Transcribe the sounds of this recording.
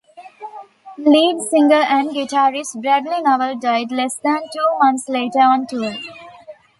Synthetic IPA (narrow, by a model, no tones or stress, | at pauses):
liːɖsɪ̃ŋɡəɾæ̃ɳɖɡɪʈaːɾɪsbɾæɖlinɔʋəlɖaɪɖlɛsd̪æ̃nʈuːmʌ̃nsleːʈəɾɔ̃ːnʈuːɾ